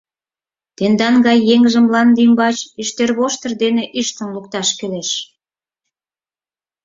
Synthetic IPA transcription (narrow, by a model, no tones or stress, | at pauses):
t̪end̪ɑnɡɑjːeŋʒə̆mlɑnd̪imbɑt͡ɕiʃt̪erβoʃt̪ərd̪eneʔyʃt̪ə̆nlukt̪ɑʃkøleʃ